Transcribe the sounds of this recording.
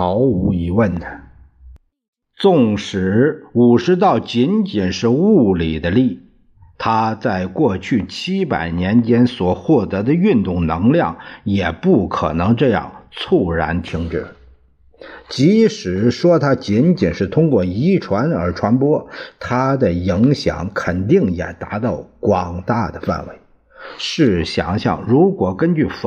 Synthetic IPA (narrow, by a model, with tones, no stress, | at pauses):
ɑ˧˥ʊu˧˥i˧˨˩wə˥˩n | t͡sʊ˥˩ŋʂɻ̩˧˥u˨˩ʂɻ̩˧˥t̪̬ɑ˥˩ʊt͡ɕi˧˥nt͡ɕi˨˩nʂɻ̩˥˧u˥˩li˨˩d̪ə˦li˥˩ | t̪ʰa˥t͡sa˥˧ɪkwɔ˥˧t͡ɕʰy˥˩t͡ɕʰi˥pa̰˨˩ɪnjɛ˧˥nt͡ɕjɛ˥nswɔ˨˩xwɔ˥˩t̪ɤ˧˥d̪ə˧y˥˧nt̪ʊ˥˩ŋnɤ˧˥ŋljɑ˥˩ŋjɛ˨˩pu˥˩kʰɤ̰˨˩nɤ˧˥ŋʈ͡ʂɤ˥˧jɑ̰˥˩ŋt͡sʰu˥˩ɻa˧˥nt̪ʰi˧˥ŋʈ͡ʂɻ̩˥˩ | t͡ɕi˧˥ʂɻ̩˨˩˦ʂwɔ˥t̪ʰa˥t͡ɕi˧˥nt͡ɕi˨˩nʂɻ̩˥˩t̪ʰʊ˥ŋkwɔ˥˩i˧˥ʈ͡ʂʰwa˧˥nə˞˧˥ʈ͡ʂʰwa˧˥npwɔ˥t̪ʰa˥d̪ə˨i˧˥ŋɕjɑ̰˨˩˦ŋkʰə˨˩nt̪i˥˩ŋjɛ̰˨˩t̪a˧˥t̪ɑ˥˩ʊkwɑ˨˩ŋt̪a˥˩d̪ə˩fa̰˥˩nwḛ˧˥ɪ | ʂɻ̩˥˩ɕjɑ̰˨˩ŋɕjɑ̰˥˩ŋɻu˧˥kwɔ˨˩kə˥nt͡ɕy˥˩f